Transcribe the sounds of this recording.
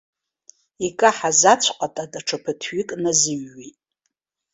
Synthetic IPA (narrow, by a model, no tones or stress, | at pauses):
ikʼaħazat͡ɕʷʰqʼatʼadaʈ͡ʂʰapʰɨtʰɥikʼnazɨɥːitʼ